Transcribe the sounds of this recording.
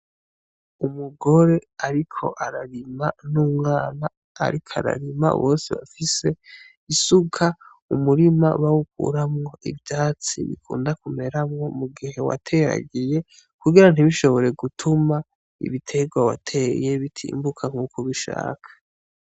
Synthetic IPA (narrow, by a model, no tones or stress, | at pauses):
umuɡo̞ɾe̞aɾikʰo̞̰ʔaɾaɾimanuːmŋaːna̰ː | ɾikʰoa̰ɾa̰ɾima̰βo̞ːsiβa̰fise̞ | isukʰa | umuɾima̰βawuk̚ṵɾamŋo̞ʔḭvjaːt͡sḭβḭkʰṵːndakume̞ɾamŋo̞muɡiɦe̞wa̰tʰe̞ɾa̰ɡije̞ | kuɡiɾan̥iβiʃo̞βo̞ɾe̞ɡutʰuma | ḭβitʰe̞ɡwawa̰tʰe̞je̞βitʰḭːmbukʰaŋ̥huːkoβiʃa̰ːkʰḁ